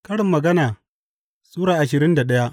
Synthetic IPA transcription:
kɐ˦ɽɪ˨mːɐ˨ɡɐ˦naː˨ | sʼuː˦ɽaː˨ʔa˨ʃɪ˨ɾɪ˦nda˨ɗɐ˦ja˦

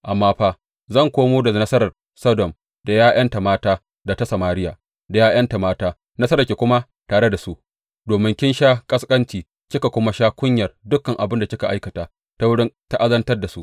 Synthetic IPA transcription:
ʔa˨mːaː˦ɸaː˦ | zɐ˦˨ŋkʷoː˦moː˦da˨nɐ˦sɐ˦ɾɐ˨r | sɐ˦dɔ˨m | da˨jaː˦jʔɐ˦nta˨maː˦taː˦ | da˨ta˦sɐ˨maː˦ɾɪ˦ja̰ː˨ | da˨jaː˦j̰ɐ˦nta˨maː˦taː˦ | nɐ˦sɐ˦ɾɐ˨kʲeː˨kʷʊ˦ma˦ | taː˨ɽe˦da˨su˦ʔ | doː˨mɪ˦ŋkʲɪ˦nʃaː˦kʼɐ˦skʼɐ˦nt͡ʃiː˨ | kʲɪ˦ka˨kʷʊ˦ma˦ʃaː˦kʷʊ˦ɲjɐ˨rdʊ˦kːɐ˨ŋʔa˨bɪ˦nda˨kʲɪ˦ka˨ʔa˦jkɐ˨taː˨ | ta˦wʊ˦ɽɪ˦nta˦ʔa˦zɐ˦ntɐ˦rda˨su˦ʔ

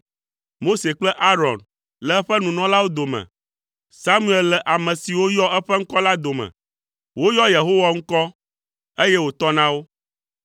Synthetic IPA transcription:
mo˦se˨k͡plɛ˦ʔa˦ɾɔ˨n | lɛ˨ɛ˦ɸɛ˦nũ˨nɔ̃˦la˦wo˦d̪o˨mɛ̰̃˨ | sa˦mũ˦˨ɛ˨llɛ˨ʔa˨mɛ̃˨si˨wo˦jɔ˦ɛ˦ɸɛ˦ŋ̩˦kɔ˦la˦d̪o˨mɛ̰̃˨ | wo˦jɔ˦je˨ɦo˦wa˨ŋ̩˦kɔ˦ | e˦jɛ˦wo˨t̪ɔ˦nã˦wo˦

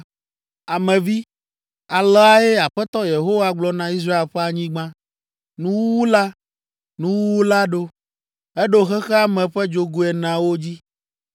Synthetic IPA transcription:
a˨mɛ̃˨vi˦ | a˨lɛ˦a˦e˦a˨ɸɛ˦t̪ɔ˦je˨ɦo˦wa˨ɡ͡blɔ˦nã˦i˦s̬ɾa˦e˦lɸɛ˦a˨ɲĩ˦ɡ͡bã˦ | nũ˦wu˦la˦ | nũ˦wu˦wu˦la˦ɖo˦ | e˦ɖo˦xɛ˦xɛ˦a˦mɛ̃˨ɸɛ˦d͡ʒo˦ɡu˦ɛ˨nã˨wo˦d͡ʑi˦

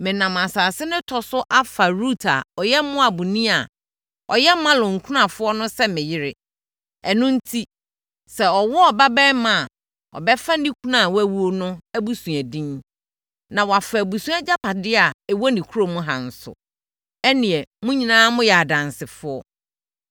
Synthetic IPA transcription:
mɪ̃˨nã˨m˨a˨saː˨sɪ˦nʊ̃˦tʰɔ˨sʊ˦ʔa˦fa˨ɾu˦tʰa˨ɔ˨jɛ˦mʊ̃˦a˨bʊ˨nĩ˦a˨ | ɔ˨jɛ˦mã˦lʊ̃˨ŋ̩˨kʰu˦nã˨fʊ˦ɔ˦nʊ̃˦sɛ˦mɪ̃˨jɪ˦ɾɪ˦ | ɛ˨nʊ̃˦n̩˦tʰi˦ | sɛ˨ɔ˨wɔ˦ɔ˨ba˦bɛ˦mã˦˨ | ɔ̰˨bɛ˦fa˦nĩ˦kʰu˦nã˨wæ˦wu˦o˦nʊ̃˦æ˦bu˨sũ˨æ˨dĩ˦n | nã˨wa˨fa˨bu˨sũ˦a˦d͡ʑa˦pa˨dɪ˦a˨ɛ˨wɔ˦nĩ˨kʰu˦ɾo˨mʊ̃˦ɦã̰˨n̩˨sʊ̰˨ | ɛ˦nɪ̃˨ɛ˨mʊ̃˦ɲĩ˨nãː˦mʊ̃˦jɛ˨a˨dã˨nsɪ˨fʊ˦ɔ˦

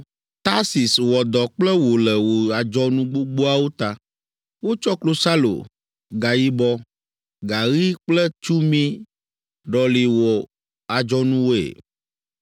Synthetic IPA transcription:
t̪a˦si˨swɔ˨d̪ɔ˨k͡plɛ˦wo˨lɛ˨wo˨a˨d͡ʒɔ˦nũ˦ɡ͡bo˦ɡ͡bo˦a˦wo˦t̪a˨ | wo˦t͡ʃɔ˦klo˦sa˦lo̰˨ | ɡa˨ji˦bɔ˦ | ɡa˨ɣi˦k͡plɛ˦t͡ʃu˦mĩ˦ | ɖɔ˨li˨wɔ˨ | a˨d͡ʒɔ˦nũ˦wo˦ḛ˨

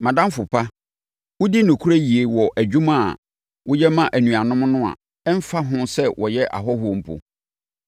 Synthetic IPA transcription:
mã˨dã˦m˦fʊ˨pʰa˦ | wʊ˦di˦nʊ̃˨kʰu˦ɾæ˦ji˨e˨wɔ˨ʔæ˨d͡ʑᶣũ˦mã̰˦˨ | wʊ˦jɛ˦mã˦ʔæ˨nũ˨a˨nʊ̃˦m˦nʊ̃˦a̰˨ | ɛ˦m̩˦fa˦ɦʊ̃˦sɛ˦wʔɔ˨jɛ˦ʔa̰˨ɦɔ˦ɦʊ˦ɔ˨m̩˨pʰo̰˨

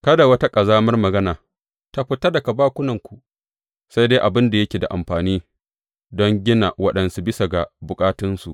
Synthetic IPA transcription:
kɐ˦da˨wɐ˦ta˦kʼɐ˨zaː˦mɐ˦rmɐ˨ɡɐ˦naː˨ | ta˦ɸɪ˦ta˦da˨kɐ˨baː˦kʷʊ˦nɐ˨ŋkʷu˨ʔ | sa˦jde˦ʔa˨bɪ˦nda˨jɐ˦kʲeː˨da̰˨ʔa̰˨mɸaː˨niː˦ | dɔ˦ŋɡʲɪ˦na˨wɐ˦ɗɐ˨nsu˨bɪ˦sa˨ɡa˨bʊ˨kʼaː˦tɪ˦nsu˨ʔ

